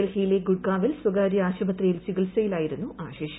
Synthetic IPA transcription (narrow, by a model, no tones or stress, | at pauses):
ɐlhijileɡuɽkaːʋilswɐɡaːɾjɐaːɕɐbɐt̪rijilt͡ɕiɡɐlsɐjilaːjiɾunːuʔaːɕeːɕɐ